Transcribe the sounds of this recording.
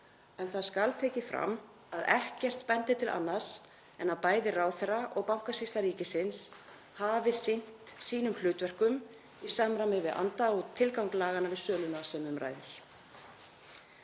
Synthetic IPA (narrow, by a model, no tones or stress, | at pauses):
ɛnθaðskalt̪ʰeːcɪfɾa̰mː | aðɛhcɛr̥t̪pɛnt̪ɪt̪ʰɪlʔa̰nːas | ɛnːaðpaːjðɪraːwθɛraʔɔɣpawŋ̥kasist̪aɾiːcɪsɪns | haːvɪsɪn̥t̪siːnʏmkʰlʏːt̪vɛr̥kʏm | isaːmɾamɪvɪða̰nt̪aɔɣt̪ʰɪlkawŋklaːɣanavɪðsœːlʏnasɛmʏmɾa̰ːjðɪɾ̥